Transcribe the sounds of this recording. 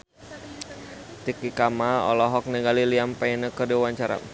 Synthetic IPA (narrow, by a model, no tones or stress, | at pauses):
t̪ikikamaɔ̰lɔɦɔk̚nɛɡaliliampajnəkərdiwaɲt͡ʃaɾa̰